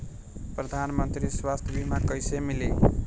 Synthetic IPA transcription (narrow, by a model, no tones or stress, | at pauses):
pɾəd̪ʱanmənt̪ɾiswast̪ʰəbimakəjsemili